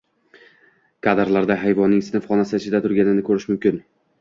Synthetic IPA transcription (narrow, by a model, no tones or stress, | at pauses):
kʰad̪ɾlˠaɾd̪aɦajvɒnːɪŋsɪnɪfχɒnasɪɪt͡ʃʰɪd̪at̪ʰʊɾɡʲanɪnɪkʰɵɾɪʃmʊmkʲɪn